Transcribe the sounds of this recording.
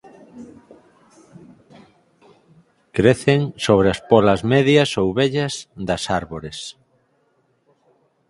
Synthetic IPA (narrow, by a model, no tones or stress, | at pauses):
kɾeθeŋsoβ̞ɾɪɐspolɐzmɛðjɐsowβɛʎɐsðɐsaɾβoɾes